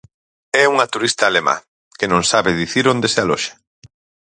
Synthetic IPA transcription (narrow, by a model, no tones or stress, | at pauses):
ɛuŋɐt̪uɾist̪aːlemã̰ | kɪnõŋsaβɪðiθiɾõnd̪esɪalɔʃe̥